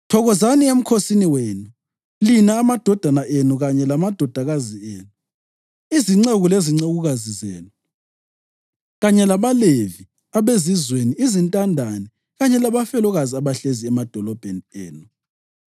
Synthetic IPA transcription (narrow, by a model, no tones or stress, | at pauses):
tʰɔɣɔzaniem̩kʰosiniweːnu | linaːmad̥ʱɔd̥ʱanaʔenuɣaɲɛlamad̥ʱɔd̥ʱaɣazieːnu | iziŋ͡ǀeɣuleziŋ͡ǀeɣuɣazizɛ̰ːlɔ | ɣaɲɛlaβalevi | aβezizweniizintʼandʱani | ɣaɲɛlaβafɛlɔɣaziaβaɬeziɛmad̥ʱɔlɔb̥ʱenieːnu